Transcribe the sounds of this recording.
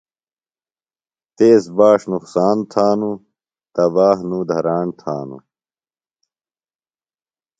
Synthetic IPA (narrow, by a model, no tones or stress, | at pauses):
t̪eːsbaːʂnuqsaːnt̪ʰaːnu | t̪ɐbaːɦnũd̪ʱɐɾaːnt̪ʰa̰ːnṵ